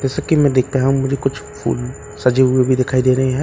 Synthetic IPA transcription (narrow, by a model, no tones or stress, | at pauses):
d͡ʒɛːsəkːimɛ̃d̪eːk̚ʰt̪eɦɛɦũmʊd͡ʒʱekʊt͡ʃʰpʰṵːl | sɐd͡ʒʱeɦʊebʱid̪ɪkʰaːid̪eːɾɐɦiɦɛ